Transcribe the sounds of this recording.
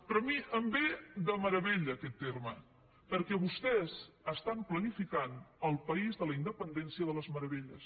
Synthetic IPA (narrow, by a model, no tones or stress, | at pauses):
pɾɔmiʔəmbed̪əməɾəβeʎəːkɛt̪ːermə | pəɾkɛβust̪ɛz | əst̪amplənifikanəlˠpəizðələind̪əpənd̪ɛnsiəðələzməɾəβeʎəs